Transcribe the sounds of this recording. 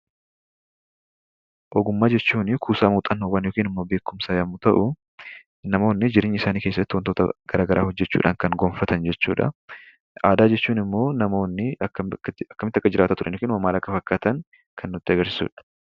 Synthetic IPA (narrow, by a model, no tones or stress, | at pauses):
ʔɔɡʊmːaːd͡ʒɛt͡ʃːuːnɪkʰuːsaːmuːt̪ʼɐnhowɐnjoːkiːnɪmːoːbe̞ːkːʊmsaːjɐmʊt̪ɐʔʊ | nɐmo̞ːnːɪd͡ʒɪɾeːɲːɪsaːniːkeːsːɐt̪ːɪwɔnt̪ot̪ɐ̰ɡ̥ɐɾaːɡɐɾʔa̰ːhɔd͡ʒːɛt͡ʃːṵːᶑʔa̰ːŋkɐŋɡonfɐt̪ɐnd͡ʒɛt͡ʃːṵːᶑɐ̰ | ʔaːd̪aːd͡ʒɛt͡ʃːuːnɪmːo̞ːnɐmo̞ːnːɪɐːɐkːɐmɪt̪ːɐkːɐd͡ʒɪɾaːt̪aːt̪ʊɾʔɐ̰njokiːnmɐmːaːlɐkːɐfɐkːaːt̪ɐŋ | kʰɐnːʊt̪ːɪɐɡɐɾsɪ̥sṵːᶑɐ̥